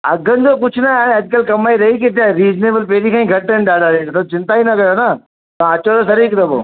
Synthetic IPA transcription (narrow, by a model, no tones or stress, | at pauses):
ɐɡʱənɪ̆d͡ʑoːk̬ʊt͡ɕʰʊnaːaːɽ̃ẽɐd͡ʑkəlkɐmaːiɾɐiket̪aɾiːzneːbəlpeːɾikʰãːĩɡʱɐʈːəñɪɗaːɽaɾetːt̪ʰɐt͡ɕɪ̃nt̪aːinɐkɐjona | t̪ɐãɐt͡ɕoɾosɐɾiːkt̪ɐbo̰ː